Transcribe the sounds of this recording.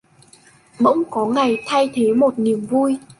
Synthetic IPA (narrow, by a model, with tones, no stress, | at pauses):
mə̰˧˥wŋ͡mkɔ˨˦ŋa˨˩jt̪ʰa˧jt̪ʰe˨˦mo˨˩t̚ni˨˩əmvu˧j